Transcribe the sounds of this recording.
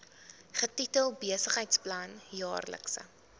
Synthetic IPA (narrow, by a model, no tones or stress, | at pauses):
χətitəlˠbiəsəχɦɛjtsplɐnjɑːrlə̰ksə̰